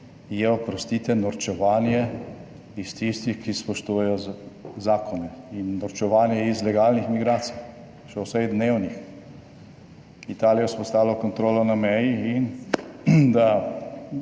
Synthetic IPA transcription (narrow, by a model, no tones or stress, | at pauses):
jɛɔpɾɔst̪it̪ɛnɔɾt͡ʃɛʋaːnjɛ | ist̪ist̪ixkispɔʃt̪uːjɛjɔzaːkʰɔnɛinːɔɾt͡ʃɛʋaːnjɛizlɛɡaːlnixmiɡɾaːt̪sij | ʃɛwsɛɣd̪neːwnix | it̪aːlijɔspɔst̪aːlɔkɔnt̪ɾoːlɔnamɛjiin | d̪a